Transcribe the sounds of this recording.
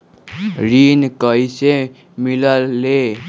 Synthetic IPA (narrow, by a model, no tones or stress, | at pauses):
ɾinkʌjse | milʌːe